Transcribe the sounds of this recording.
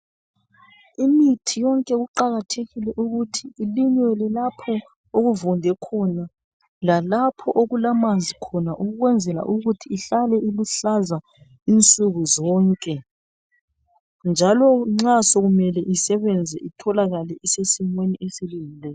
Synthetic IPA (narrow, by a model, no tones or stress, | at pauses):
imitʰijɔŋkʼɛɣuǃaɣatʰeɣilɛʔuɣutʰiːliɲwɛlɛlapʰɔ | oɣuvɔndʱɛkʰɔna | lalapʰɔʔoɣulamand͡zʱikʰɔnaʔuɣuɣwɛnd͡zʱɛla̰ʔuɣutʰiːɬalɛiluɬaza | int͡sʼuɣuzɔːŋkʼɛ | nd͡ʒʱalɔŋ͡ǁasoɣumɛlɛʔisɛβɛnd͡zʱɛ̰ʔitʰɔlaɣalɛʔisesimweniʔesiliŋilɛ